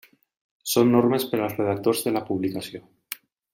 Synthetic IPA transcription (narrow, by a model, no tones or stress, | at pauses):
sonːoɾmespeɾalsreðak̚t̪oɾzðelapuβlikasjo